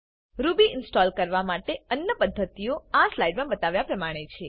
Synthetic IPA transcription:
ɾubiʔɪnsʈɔlkəɾʋamaʈeənjəpəd̪ʱːət̪ioaslaiɖmãbət̪aʋjapɾəmaɽ̃et͡ʃʰe

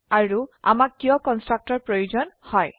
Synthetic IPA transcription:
aɹua̰makːijɔ̃kɔnstɹak̚tɔɹpɹojuzɔnhɔj

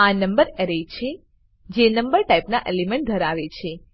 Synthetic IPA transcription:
anəmbəɾeɾet͡ʃʰe | d͡ʒenəmbəɾʈajpnaʔelimẽɳʈ̚d̪ʱəɾaʋet͡ʃʰe

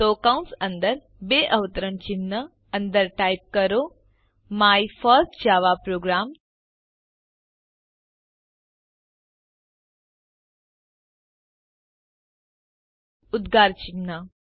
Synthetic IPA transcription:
t̪okaw̃nsənd̪əɾ | beʔəʋət̪əɾəɳt͡ɕinːə | ənd̪əɾʈajp̚kəɾo | majfəɾsʈd͡ʑaʋapɾoɡɾam | ud̪ɡaɾt͡ɕinːə

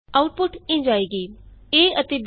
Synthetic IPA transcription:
aːʊʈ̚pʊʈĩːnd͡ʒaːiːɡiːeːət̪eb

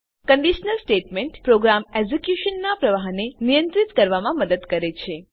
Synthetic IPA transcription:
kəɳɖiʃnəlsʈeʈmeɳʈpɾoɡɾameɡzekjuʃənːapɾəʋaɦnenijə̃nt̪ɾit̪kəɾʋamãməd̪əd̪kəɾet͡ʃʰe

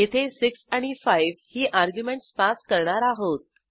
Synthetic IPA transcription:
jet̪ʰesiksaɽ̃ifajʋhiːʔaɾɡjumeɳʈsfaskəɾɳaɾaɦot̪̚

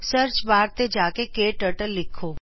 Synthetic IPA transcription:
səɾt͡ʃbaːɾt̪ed͡ʒaːkekeːʈəʈəlːɪkʰːoː

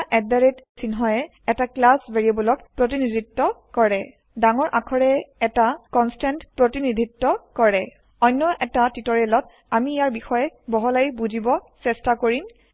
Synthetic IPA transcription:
ʔɛdaɹetsinɦɔjɛ | ɛtaklasbeɹiabɔlɔkpɹotinidʱitːɔkɔɹɛ | daŋɔɹʔakʰɔɹɛɛtakɔnstantpɹotinid̪ʱitːɔkɔɹɛ | ɔjnːɔʔɛtatitɔɹelɔt | amiːjaɹbixɔjɛbɔɦɔlajbuzibɔsɛstakoɹim

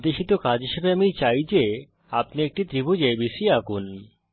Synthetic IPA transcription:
d̪eʃit̪okad͡ʑɦiʃebeamit͡ɕajd͡ʑe | apniek̚ʈit̪ɾibud͡ʑebiʃiakun

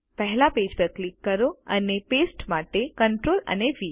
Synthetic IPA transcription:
pəɦlaped͡ʒpəklikːəɾoənepesʈmaʈekəɳʈɾolə̰neʋi

